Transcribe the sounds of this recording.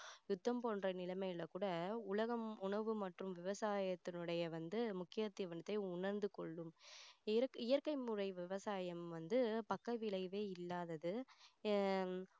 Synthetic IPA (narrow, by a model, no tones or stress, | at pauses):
jʊt̪ːɐmpoːndrɐnɪlɐmɐɪɪlɐkuːɽɐʊlɐɣɐmʊɳɐʋɯmɐʈrɯmʋɪʋɐsaːjɐt̪ːɪnɯɽɐjɐʋɐnd̪ɯmʊkːɪjɐt̪ːɪjʋɐnɐt̪ːɐɪʊɳɐɾnd̪ɯkɔɭːɯmɪɾkɪjɐɾkɐɪmʊrɐɪʋɪʋɐsaːjɐmʋɐnd̪ɯpɐkːɐʋɪlɐɪʋeːɪlːaːðɐðɯ